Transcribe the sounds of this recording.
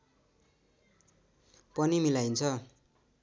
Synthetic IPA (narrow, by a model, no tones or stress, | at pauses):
pʌnimilajnt͡sʰʌ